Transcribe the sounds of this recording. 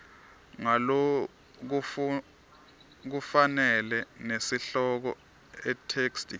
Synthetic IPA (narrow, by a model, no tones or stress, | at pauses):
ŋalo | k̬ | k̬ufanɛlɛnesiɬɔk̬ɔ | ɛtʰekstʰʼi